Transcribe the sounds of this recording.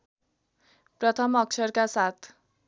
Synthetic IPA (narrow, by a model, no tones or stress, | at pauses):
prʌt̪ʰʌmʌk̚t͡sʰʌrkasat̪ʰ